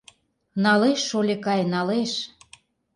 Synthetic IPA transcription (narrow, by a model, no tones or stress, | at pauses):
nɑleʃːolʲekɑjnɑleʃ